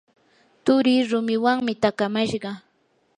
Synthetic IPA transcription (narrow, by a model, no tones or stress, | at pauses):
t̪ʊɾiːɾʊmɪwaŋmɪt̪akamaʃɢɑ